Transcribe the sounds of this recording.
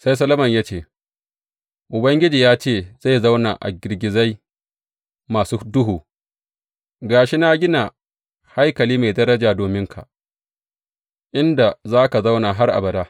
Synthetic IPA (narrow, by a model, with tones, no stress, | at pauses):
sa˦js̬ɐ˦lɐ˦mɐ˨ɲjaː˦t͡ʃeː˦˨ | ʔʊ˨bɐ˦ŋɡʲɪ˦d͡ʒiː˨jaː˦t͡ʃeː˦˨z̥a˦˨jza˦wnaː˨ʔa̰˨ɡʲɪ˨rɡʲɪ˨za˦j | maː˨suː˦dʊ˦ɦuː˨ | ɡaː˨ʃi˦na˦ɡʲɪ˦na˨ | ha˦jkɐ˨liː˦ma˨jdɐ˦ɾɐ˦d͡ʒaː˨doː˨mɪ˦ŋkʰa̰˨ | ʔɪ˦nda˨zaː˦ka˨za˦wnaː˨ɦa˦rʔa̰˨bɐ˨daː˦